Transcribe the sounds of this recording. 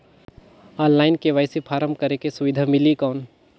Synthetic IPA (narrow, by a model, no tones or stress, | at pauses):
aːnːaːɪnkeʋaːɪsipʰaːɾəmbkɐɾekesʊʋɪd̪ʱamɪlikaːʊn